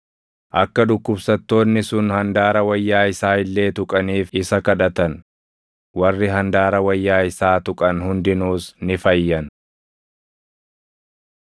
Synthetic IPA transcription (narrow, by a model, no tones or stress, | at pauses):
ʔɐkːɐᶑ̪ʊkːʊbsɐt̪ːo̞ːnːɪsʊnhɐnd̪aːɾɐwɐjːaːɪsaːɪlːe̞ːt̪ʊkʼɐniːfɪsɐkɐᶑɐt̪ɐn | wɐrːɪɦɐnd̪aːɾɐwɐjːaːɪsaːt̪ʊkʼɐnhʊnd̪ɪnuːsnɪfɐjːɐn